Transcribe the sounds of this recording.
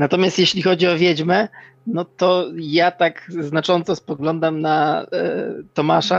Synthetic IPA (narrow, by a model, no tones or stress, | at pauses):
nat̪ɔmʲast̪jeɕlʲixɔd͡ʑiɔvʲjɛd͡ʑmɛ | nɔt̪ɔjat̪aɡznat͡ʂɔnt̪sɔspɔɡlɔnd̪amna | t̪ɔmaʂa